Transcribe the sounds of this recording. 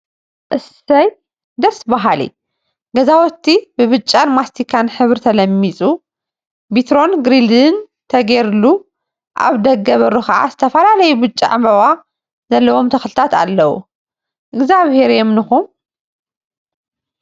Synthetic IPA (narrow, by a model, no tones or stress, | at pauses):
ʔɨs | ɐj | d̪ɐsbaɦalḭ | ɡɐzawɔt̪ʰːibɨβɨt͡ʃʼːanmast̪ʰikʰanħɨβɾt̪ʰɐlɐmːit͡sʼu | bit̪ɾo̞nɡɾild̪ɨn | t̪ʰɐɡeɾɨlu | ʔa̰βd̪ɐɡɐβɐɾuxɐʔa̰zɨt̪ʰɐfɐlalɐjubɨt͡ʃʼːiʕa̰mɐβa | z̥ɐlːɐwo̞mt̪ʰɐxlɨt̪ʰat̪a̰lːɐwṵ | ʔɨɡzaβhe̞ɾjomnɨxum